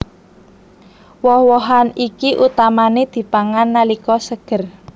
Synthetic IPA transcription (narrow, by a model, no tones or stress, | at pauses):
wɔhwɔɦanikiʔut̪amaned̪̥i̤paŋanːalikɔsəɡ̥ə̤r